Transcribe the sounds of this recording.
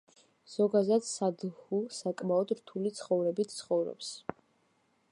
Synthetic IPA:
z̥ɔɡazat̪sad̪husakʼmaɔd̪ɾt̪ʰulit̪sʰχɔvɾɛbit̪ʰt̪sχɔvɾɔ̰ps

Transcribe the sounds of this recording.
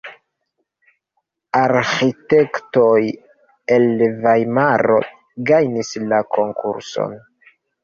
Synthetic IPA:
aɾxitektoj | e̞lvajmaɾo̞̰ | ɡajnislako̞ŋkʰṵɾso̞̰n

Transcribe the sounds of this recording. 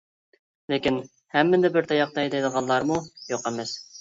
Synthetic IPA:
lekʲin | hæmːɪnd̪æbɪɾt̪ʰɑjɑq̚t̪ɑjd̪ed̪əʁɑnlːˠɑɾmujoqemɪs

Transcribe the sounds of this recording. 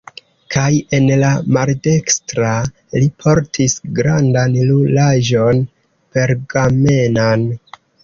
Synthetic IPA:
kʰaje̞nlamalde̞kstɾa | lipʰo̞ɾtʰisɡɾandanlulaʒo̞n | pe̞ɾɡame̞nan

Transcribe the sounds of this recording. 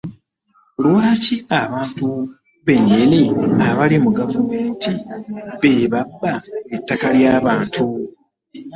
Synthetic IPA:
lwaːciaβaːntu | βe̞ɲːe̞niaβalimuɡavume̞ːntiβeːβabːaetːakaljaːβaːntʰu

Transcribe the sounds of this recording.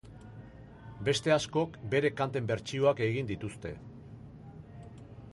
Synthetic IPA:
be̞st̪e̞asko̞kbe̞ɾe̞kant̪e̞mbe̞ɾt͡ʃioake̞ɣ̞ind̪it̪ust̪e̞̰

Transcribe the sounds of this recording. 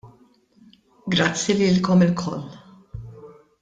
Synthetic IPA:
ɡɾɐt͡sːjiliːlkɔmɪlkʰɔ̰lː

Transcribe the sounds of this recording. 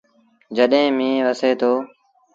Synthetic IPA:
d͡ʒəɗɦẽːmĩːʋəseːt̪ʰoː

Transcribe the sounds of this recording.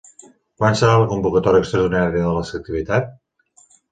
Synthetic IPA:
kwansəɾaləkumbukət̪ɔɾiəkst̪ɾəɾðinaɾiəðələsək̚t̪iβit̪at̪̚

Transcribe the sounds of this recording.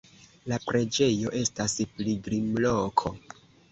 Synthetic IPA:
lapɾe̞d͡ʒe̞jo̞ʔe̞staspliɡɾimlokʰo̞

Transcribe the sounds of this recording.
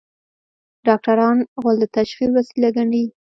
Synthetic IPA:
ɖɑk̚ʈaɾɑnɣald̪ət̪aʃxilwasilaɡaɳɖi

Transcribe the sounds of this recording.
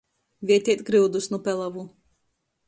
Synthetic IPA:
vʲiɛt̪ʲiɛt̪ʲɡɾɨwd̪usnupʲɛlˠavu

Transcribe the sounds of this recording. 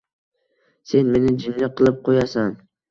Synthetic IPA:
se̞nme̞nɪd͡ʒɪnlɪqʰɨlˠɪp̚qʰojasan

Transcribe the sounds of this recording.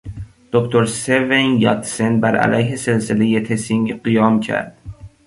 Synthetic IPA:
d̪̥okt̪ʰoɾsevenjɒt̪senbæɾʔæ̰læjɦese̞lsele̞je̞t̪ʰesiŋɢijɒːmcʰæ̰ɾd̪̥

